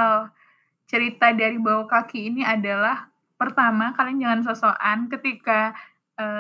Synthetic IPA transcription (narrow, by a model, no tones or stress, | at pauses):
l | t͡ʃəɾit̪adaɾibawakakiːniadalah | pərt̪amakaliŋd͡ʒaŋans̬osoʔankət̪ika | ʔəː